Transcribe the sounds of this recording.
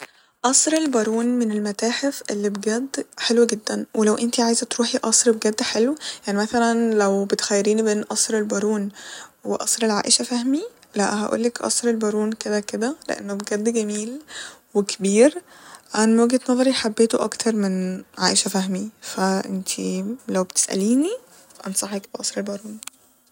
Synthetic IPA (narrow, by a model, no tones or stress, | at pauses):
ʔɑsˤɾelbɑɾˤuːnmenelmæt̪æːħefʔelːibeɡæd̪ːħelwæɡed̪ːænwelæwʔent̪iʕaːjezæt̪ɾuːħiʔɑsˤɾbeɡæd̪ːħelwjaʕnimæθælænlæwbet̪xæjːeɾiːnibeːnʔɑsˤɾelbɑɾˤuːnweʔɑsˤɾelʕa̰ːʔeʃæfæhmi | læ̰ʔhæ̰ʔṵːlːekʔɑ̰sˤɾelbɑɾˤuːnked̪æked̪ælḛʔḛnːobeɡæd̪ːɡæmiːlwekbiːɾ | ʔænæmwæɡet̪nɑðˤɑɾiħabːeːt̪oʔɑ̰kt̪ʰɑɾˤmenʕaːʔeʃæfæɦmifæʔent̪ʰilæwbet̪e̥sʔæ̰liːni | ʔɑnsˤɑħekbeʔɑsˤɾelbɑɾˤuːn